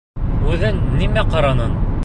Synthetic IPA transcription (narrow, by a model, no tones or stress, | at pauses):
ʉðɘnːimæqɑɾɑnɤn